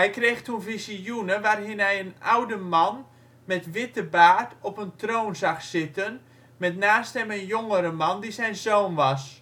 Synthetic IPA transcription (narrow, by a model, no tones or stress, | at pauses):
ɦɛjkreːxtʰunfisijunəʋaːrɦɪnɦɛjənawdəmɑn | mɛtʋɪtəbaːrtɔpəntroːnzɑxsɪtən | mɛtnaːsthɛmənjoŋəɾəmɑndizɛjnzoːnʋɑs